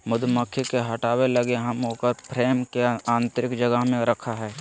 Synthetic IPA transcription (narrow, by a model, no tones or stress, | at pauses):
mʊd̪məkʰːikeɦɐʈaːwelɐɡeɦɐmɦoːkəɾpɾeːmkeãːnt̪ɾɪkd͡ʒəɡəɦmẽɾəkʰaɦɛː